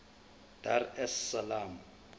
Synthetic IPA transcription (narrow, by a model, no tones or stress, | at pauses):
d̥arɛsːalaːmu